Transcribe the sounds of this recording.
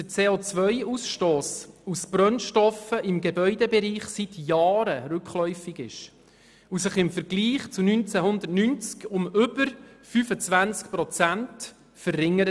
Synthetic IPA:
d̥ət͡seːoːt͡sʋœʏusʃtoːsusbɾœnʃtɔfəʔɪmɡebœʏdɛbɛɾiːχsit̪ʰjɑːɾəɾʉkχlœʏfɪɡɪ̰ʃ | usɪχɪmfəɾɡliːχt͡sunynt͡sɛɦʊnd̪əɾtnynt͡skʊmʏb̥əɾfyːfət͡svænt͡skpɾɔt͡sænt | fərːɪŋːəɾə

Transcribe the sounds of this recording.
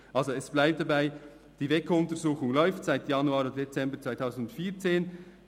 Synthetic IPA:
ʔɑlzoɛsb̥laɪp̚td̥abaɪ | d̥iːvɛkʊntəʁzuːxʊŋlɔʏftsaɪtjɑnuaːɾodet͡sɛmbət͡svaɪtʰaʊsn̩dʊntfiːt͡seːn

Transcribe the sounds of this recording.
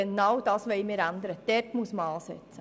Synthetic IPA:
enɑwd̥ɑːsʋɛɪmɪːɾænd̪əɾəd̥ɛrtmuəsməɑːsɛ̰t͡sə

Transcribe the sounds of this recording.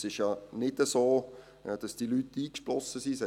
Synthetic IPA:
sɪʃjɑnɪdəsoː | d̥ɑsd̥iːlytːiːkʃplɔsəsisɛ

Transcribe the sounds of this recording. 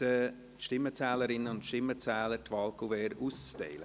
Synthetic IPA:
ə | ʃtɪmːət͡sɛːləɾɪnːəʊntʃtɪmːət͡sɛːləɾtvɑːlkuvɛːɾuːst͡stɛ̰ɪlə

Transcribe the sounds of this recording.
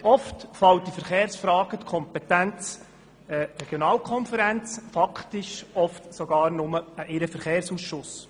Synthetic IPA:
ɔftfɑwt̚d̥ifɛɾχeːɾsfɾɑːɡ̥ət̪kʰɔmpɛtænt͡s | ɛrɛɡ̥jɔnɑːlkχɔnfəɾænt͡sfɑkʰtɪʃɔftsɔɡ̥ɑːɾnʊməʔɪɾəfɛɾχeːɾsuːsʃʊs

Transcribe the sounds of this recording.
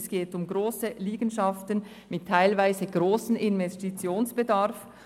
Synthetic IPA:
sɡ̥eːtʊmɡʁoːsəliːɡən̩ʃɑftən | mɪtʰːaɪlvaɪzəɡʁoːsn̩ɪnvɛstit͡sjoːnsb̥ədaʁf

